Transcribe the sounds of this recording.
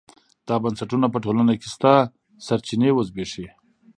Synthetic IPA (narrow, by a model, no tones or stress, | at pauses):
d̪̥ɑbansaʈunapəʈolanakest̪a | saɾt͡ʃinewəzbeʂe